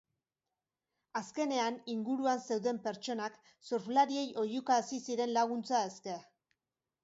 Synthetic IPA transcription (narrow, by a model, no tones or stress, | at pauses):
aske̞ne̞aniŋɡuɾuanse̞wðe̞mpe̞ɾt͡ʃo̞nak | soɾflaɾie̞jo̞jukasisiɾe̞nlaɣ̞unt͡saeskea